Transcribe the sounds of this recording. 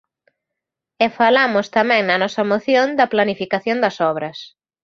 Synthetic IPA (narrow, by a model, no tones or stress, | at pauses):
ɛfalamʊst̪ɐmɛ̃ŋnɐnɔsɐmoθjõnd̪ɐplanifikaθjond̪ɐsɔβɾɐs